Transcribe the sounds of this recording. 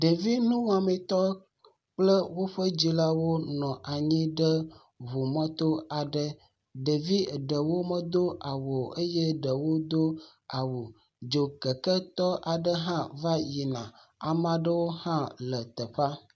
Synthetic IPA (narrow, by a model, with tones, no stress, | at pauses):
ɖə˨vi˦nũ˦wa˨mɛ̃˨t̪ɔ˦ | k͡plə˦wo˦ɸə˦d͡ʑi˦la˦wo˦nɔ̃˨ʔa˨ɲĩ˦ɖə˦ | βu˨mə̃˦t̪o˦a˨ɖə˦ | ɖə˨vi˦ɖə˨wo˦mə̃˦d̪o˦a˨wo˨ə˦je˦ɖə˨wo˦d̪o˦ | a˨wo˨ | d͡ʒo˨kə˨kə˦t̪ɔ˦ʔa˨ɖə˦ɦã˦va˦ji˨nã˨ | a˨mã˨ɖə˦wo˦hã˦lə˨t̪ə˨ɸa˦